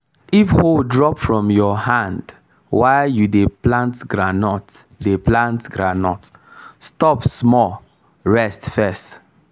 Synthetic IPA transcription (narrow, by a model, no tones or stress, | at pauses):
ifhodɹɔpfɹɔ̃mjɔhãnd | waɪjudeplãntɡɹanɔt | deplãntɡɹanɔtstɔpsmɔ | ɹɛstfɛst